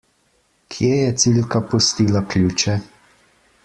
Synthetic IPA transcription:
kʰjeːjɛt̪silkapust̪iːlaklʲuːt͡ʃɛ

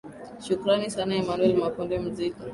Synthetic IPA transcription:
ʃukuɾanisanaɛmanuɛlmakundɛm̩zika

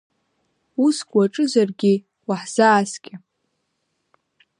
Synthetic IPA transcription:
usɡʷʼwaʈ͡ʂʼɨzarɡʲɪ | waħz̥aːskʲʼɪ

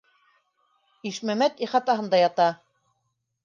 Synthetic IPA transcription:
iʃmæmæt̪iχɑt̪ɑɦɤ̆nd̪ɑjɑt̪ɑ

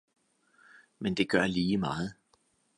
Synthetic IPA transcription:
mend̥e̝ɡ̥ɶɐliːmɑ̈ːð̞̩ˠ

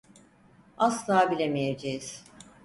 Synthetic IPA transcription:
aslˠaːbilʲemijed͡ʒejiz̥

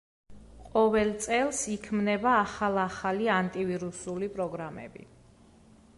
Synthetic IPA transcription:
qʼɔvɛlˠt̪sʼɛlˠsikʰmnɛbaːχalˠaχaliant̪ʼiviɾusulipʼɾɔɡɾamɛ̰bḭ

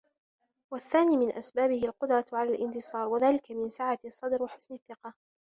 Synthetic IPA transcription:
waθːaːniːmɪnʔasbaːbɪhɪalqʊd̪ɾˤɑʕalaːlʔɪnt̪ɨsˤɑːɾˤwaðaːlɪkamɪnsaʕasˤːɑd̪ɾwaħʊ̥snaθːɪqɑ

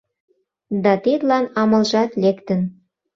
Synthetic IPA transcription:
d̪ɑt̪et̪lɑnɑmɤ̆lʒɑt̪lekt̪ə̆n

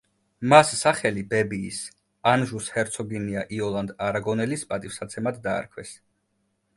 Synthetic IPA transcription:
masːaχɛlibɛbiːs | anʒushɛɾt̪sʰɔɡiniaʔiɔlˠand̪aɾaɡɔnɛlispʼat̪ʼifsat̪sʰɛmad̪d̪a̰ːɾkʰwɛs

